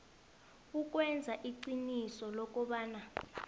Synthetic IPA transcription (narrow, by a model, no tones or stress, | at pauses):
uk̬ʼwɛnd͡zʱaʔiǀinisɔlɔk̬ʼɔɓaːna